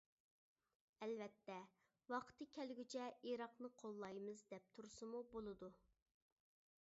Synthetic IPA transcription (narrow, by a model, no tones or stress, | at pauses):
ɛlvɛt̪ːɛ | wɑqʰə̥t̪ʰɨkʲʰɛlɡʲyt͡ʃʰɛeɾɑqnɨqʰolˠːɑjmɨzd̪ɛp̚t̪ʰuɾsɨmubolˠɨd̪u